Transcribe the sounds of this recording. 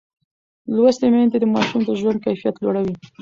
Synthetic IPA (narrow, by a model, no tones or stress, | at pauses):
lwast̪ement̪ed̪əmɑʃumd̪əʒwand̪̚kajfijat̪loɽawi